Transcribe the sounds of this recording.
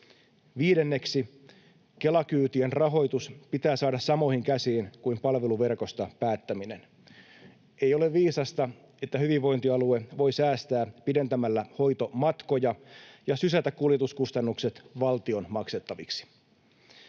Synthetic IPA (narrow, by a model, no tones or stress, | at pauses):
ʋiːdenːe̞ksi | ke̞lɑkyːt̪ienrɑɦo̞jt̪uspit̪æːsɑːdɑssɑmoihiŋkæsiːnkuimpɑlʋe̞luʋe̞rko̞st̪ɑpæːt̪ːæminen | ejo̞le̞ʋʋiːsɑst̪ɑ | e̞t̪ːæhyʋiʋʋo̞int̪iɑlue̞ʋo̞jsæːst̪æːpide̞nt̪æmælːæho̞jt̪o̞mɑt̪ko̞jɑjɑsysæt̪ækkːuljet̪uskust̪ɑnːukse̞t̪ʋɑlt̪io̞nmɑkse̞t̪ːɑʋiksi̥